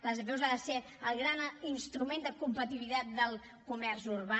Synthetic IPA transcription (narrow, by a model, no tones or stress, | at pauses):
ləzəβɛwzaðəse | əlˠɣɾaninst̪ɾumend̪əkumpət̪iβit̪at̪̚d̪əlˠ | kumɛɾzuɾβa